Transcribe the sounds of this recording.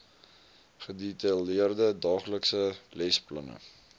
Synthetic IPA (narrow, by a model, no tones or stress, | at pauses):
χəditɐliərdədɑːχləksəlɛsplɐ̰nə̰